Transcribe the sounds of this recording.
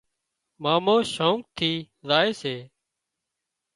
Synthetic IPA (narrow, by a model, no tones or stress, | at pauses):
maːmoːʃõːŋk̚t̪ʰiː | zaːeːseː